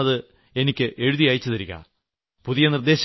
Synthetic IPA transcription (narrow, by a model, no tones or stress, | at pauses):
ɐðɨ | e̞nikʲːɨʔe̞ɻuðijaːjit͡ɕːɐt̪ɐɾiɣɐ̰ | puðijɐnird̪e̞ːɕ